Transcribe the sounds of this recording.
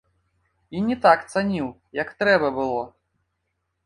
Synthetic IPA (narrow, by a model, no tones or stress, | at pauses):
inʲɛt̪akt̪sanʲiw | jɐkt̪ɾɛbɐbɨlˠɔ